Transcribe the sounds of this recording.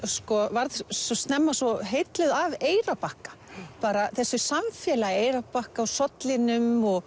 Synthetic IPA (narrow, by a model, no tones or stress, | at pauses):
skɔvaɾðsɔst̪nɛmːasɔɦejt̪lɪðaveːjɾapahkḁpaːɾaθɛsːʏsamfjɛːlaɣeːjɾapahkawsɔt̪lɪnʏmɔɣ